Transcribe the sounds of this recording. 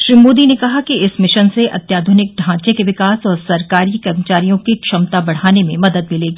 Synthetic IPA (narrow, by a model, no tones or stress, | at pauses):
ʃɾiːmoːd̪inekɐɦakiɪsmɪʃənseʔɐ̰t̪jaːd̪ʱʊnɪk̚ɖʱãːt͡ʃekeʋɪkaːsɔːɾsɐɾkaːɾikɐɾmət͡ʃaːɾijõkikʃɐmt̪abɐɽ̤aːnemẽmɐd̪əd̪̚mɪleːɡiː